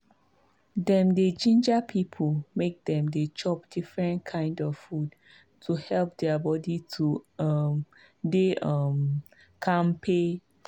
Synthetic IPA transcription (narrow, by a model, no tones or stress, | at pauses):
dɛ̃mded͡ʒĩnd͡ʒapʰipʰolmek̚dɛ̃mdet͡ʃɔp̚d̥ifɹɛ̃ntkʰãɪ̃ndɔvfud | tʰuhɛlp̚dɛabɔditʰum | deʌm | kʰãmpʰe